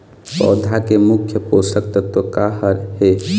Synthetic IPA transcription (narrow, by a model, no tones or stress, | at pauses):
pɔ̰ːd̪ʱakemʊkʰjəpoːsək̚t̪ət̪okaːɦəɾhe